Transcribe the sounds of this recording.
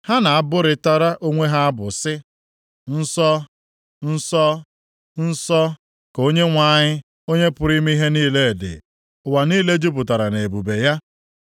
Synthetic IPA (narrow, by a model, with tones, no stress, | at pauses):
ha˦na˨a˦bʊ˦ɾɪ˨ta˦ɾa˦ʔo˦ŋʷe˦ɦa˦a˦bʊ˨sɪ˦ | n̩˦sɔ˦ | n̩˦sɔ˦ | n̩˦sɔ˦ | ko˦ɲe˦ŋʷa˨˦˨ɲɪ˦ | o˦ɲe˦pʊ˨ɾi˦mi˦i˦ɦe˦niː˦le˦e˨dɪ̰˨ | ʊ˨wa˨niː˦le˦d͡ʒu˦p̬ʊ˨ta˨ɾa˨ne˨e˨bu˨be˨ja˦